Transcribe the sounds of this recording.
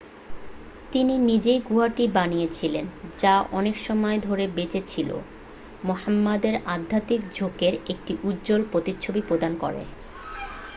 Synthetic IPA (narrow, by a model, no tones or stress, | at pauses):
t̪ininid͡ʑejɡuɦaʈibanijet͡ɕʰilend͡ʑaʔɔnekʃɔmɔed̪ʱoɾebet͡ɕet͡ɕʰilo̰ | mohamːad̪eɾad̪ʱːat̪ikd͡ʑʱokeɾek̚ʈiʔud̪d͡ʑolpɾot̪itːɕʰobipɾod̪ankɔ̰ɾḛ